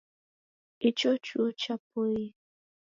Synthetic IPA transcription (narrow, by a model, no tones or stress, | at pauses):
it͡ʃɔt͡ʃuot͡ʃapoi